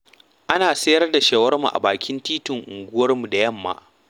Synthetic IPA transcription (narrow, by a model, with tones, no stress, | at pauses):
ʔa˦naː˨sɐ˦jɐ˦rda˨ʃeː˦wɐ˦rmṵ˨ʔa̰˨baː˨kʲɪ˦ntiː˦tʊ˨ŋʔʊ̰˨ŋɡʷʊ˦wɐ˦rmu˨da˨jɐ˦˨mːa̰˦